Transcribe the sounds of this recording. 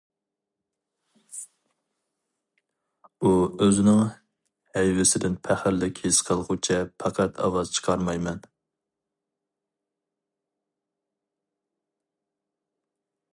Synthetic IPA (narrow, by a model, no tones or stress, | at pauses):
uøzɪnɪŋ | hɛjwɪsɪd̪ɪnpʰæχɪɾlɪkʲʰesqʰəlˠʁʊt͡ʃʰɛpʰɑqʰɛt̪ʰɑ̰wɑzt͡ʃʰə̥qʰɑɾmɑjmɛn